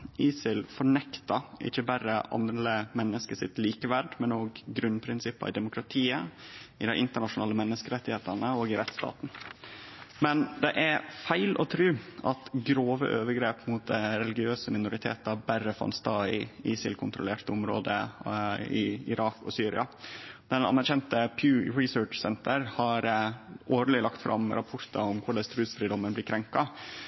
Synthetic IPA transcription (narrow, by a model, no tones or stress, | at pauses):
iːsɪlfɔɳɛkt̪ɑʔɪ̰çəbæɾəɑ̰nd̪ɾəmɛnːəskəsɪt̪liːkəʋæɖmɛnoːɡːɾʉnpʰɾɪnsɪpːɑɾɪd̪ɛmʊkɾɑt̪ʰiːəɪd̪æʔɪnt̪əɳɑʂʊnɑːləmɛnːəskəɾɛt̪ːɪheːt̪əɳəoːɡɪɾɛt̪st̪ɑ̰ːt̪n̩ | mɛnd̪ɛʔæfæɪlʔɔ̰t̪ʰɾʉːʔɑt̪ɡɾoːʋə̰ʔøːʋəɾɡɾeːpmʊt̪̚d̪æɾɛlɪɡɪøːsəmɪnʊɾɪt̪ʰḛːt̪ɑbæɾəfɑ̰nst̪ɑːɪɪsɪ̰lkʰʊnt̪ɾʊleːɾt̪əʊmɾo̰ːd̪ə̰ | ɪɪ̰ɾɑːkɔ̰syːɾɪ̰ɑd̪̥ɛnɑ̰nːæɾçɛnt̪əpʰjʉːɹɪsøːʈt͡ʃsɛnt̪ʰəɾhɑɾʔoːɾəlɪlɑkt̪fɾʔɑ̰mɾɑpʰʊɾt̪ɑʊmkʰʊɖɛst̪ɾʉːsfɾiːd̪ɔmːənblɪkʰɾɛŋkɑ